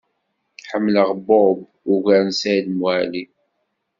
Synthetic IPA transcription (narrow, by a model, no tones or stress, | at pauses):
ħəmːləʁbob | uʝæɾnsæd̪mwæli